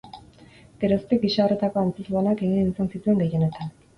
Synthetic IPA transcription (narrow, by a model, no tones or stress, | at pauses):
ɡ̥e̞ɾost̪eɡiʃaore̞t̪ako̞ant͡sezanake̞ɣinisansit̪ue̞ŋɡe̞je̞ne̞t̪an